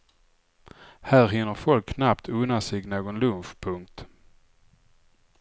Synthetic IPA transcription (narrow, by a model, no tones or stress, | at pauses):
hæːɾɦɪnːəɾfɔlkʰːnapt̪ʰɵnːasɛɡnoːɡɔnlɵnfpʰɵŋk̚t̪